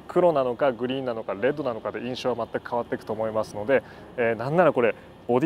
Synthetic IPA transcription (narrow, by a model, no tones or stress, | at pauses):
kʰɯ̟ɾo̞nano̞kaɡɯ̟ɾʲĩːnːano̞kaɾe̞d̪ːo̞nano̞kad̪e̞ʔĩɰ̃ɕo̞ːβamat̪ːakɯ̥kaβat̪ːe̞kɯ̟̥t̪o̞ːmo̞imasɨno̞d̪e̞ | eːnãnːaɾako̞ɾe̞ | o̞d̪ʲ